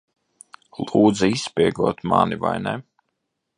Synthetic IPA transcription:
lˠuːd̪ziisːpʲiɛɡuɔt̪maniva̰jnɛ

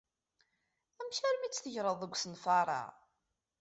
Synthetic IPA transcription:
æmçæɾmit͡sːθəʝɾˤəðˤəɡʷsənfɑɾˤɑ̰

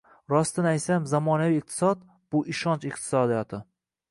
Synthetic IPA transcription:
ɾɒst̪anaj̪samzamɒnaviːq̚t̪ʰɪ̥sɒd̪̚ | b̥ʊʔɪʃɒnt͡ʃɪqt̪ʰɪ̥sɒd̪ijɒt̪ʰɪ

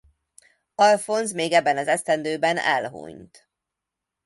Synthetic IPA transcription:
ɒlfo̞nzmeːɡɛbːɛnɒzɛst̪ɛnd̪øːbɛnɛ̰lɦṵɲt̪

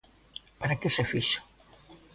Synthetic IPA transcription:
paɾakesefiʃḁ

